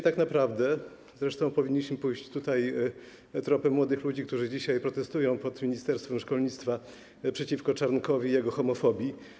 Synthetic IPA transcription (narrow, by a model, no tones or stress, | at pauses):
t̪aknapɾavd̪ɛ | zɾɛʂt̪ɔ̃w̃pɔvʲiɲːiɕmɘpujɕt͡ɕt̪ut̪aj | t̪ɾɔpɛmwɔd̪ɘxlud͡ʑik̚t̪uʐɘd͡ʑiɕajpɾɔt̪ɛst̪ujɔ̃w̃pɔt̪mʲiɲist̪ɛɾst̪fɛmʂkɔlɲit̪st̪fa | pʂɛt͡ɕifkɔt͡ʂaɾnkɔvʲijɛɡɔxɔmɔfɔbʲji